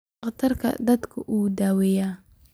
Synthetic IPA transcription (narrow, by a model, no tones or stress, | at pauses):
qt̪ʰɐrkʰɐ̰d̪ɐd̪kʰʊʔuːd̪aːwɛjaː